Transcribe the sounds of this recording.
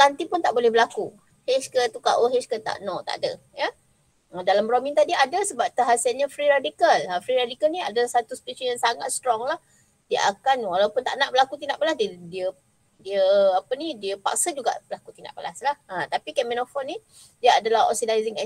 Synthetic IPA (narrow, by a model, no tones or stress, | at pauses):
t̪ant̪ipʊnt̪aʔbolɛhbəlaku | heskət̪ukaʔoɦeskət̪a̰ʔnɔt̪a̰ʔdə̰ | jə | ədalamɾomiŋt̪adiadəsəbap̚t̪əɦasalɲafɾiɾadikalafɾiɾadikalniadalahsat̪uspit͡ʃijaŋsaŋat̪̚st̪ɾɔŋlah | diəʔakanwalawpʊnt̪a̰ʔnaʔbəlakut̪indaʔpəlasddiə | diəapənidiəpa̰k̚səd͡ʒuɡa̰ʔbəlakut̪inda̰ʔpəla̰slahʔət̪apikɛminɔfɔni | diəadalahɦɔ̰sidajziŋɛ